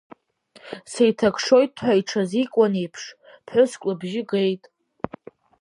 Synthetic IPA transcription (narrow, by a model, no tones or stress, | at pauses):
sejtʰakʰʂo̞jt̚ʰʼħʷaiʈ͡ʂʰazikʷʼanejpʰʂ | pʰħʊskʷʼlɨbʒɪɡe̞jtʼ